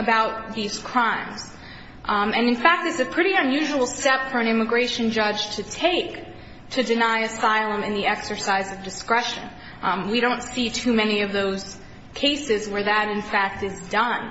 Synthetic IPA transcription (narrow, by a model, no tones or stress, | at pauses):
əbaʊt̪̚ðiz̥kʰɹ̥ãɪ̃mz̥ | ɨ̃nɨ̃nfæk̚t̚ðɨtsɨpʰɹ̥ɪɾiɨ̃njʉʒəwl̩ˠstɛpfə˞ɨ̃ñɪ̃mɨɡɹeɪʃɨ̃n̩d͡ʒʌdʒ̥tʰɨtʰeɪk | tʰɨdɨnaɪɨsaɪlˠə̃mɨ̃nðiɛksə˞saɪzʌvdɨskɹɛʃɨ̰̃n | wiɾõʊ̃ntsitʰʉmɛñiʌvðoʊz̥ | kʰeɪsɪzwə˞ðɨɾɨ̃nfæk̚tɨzdʌ̃n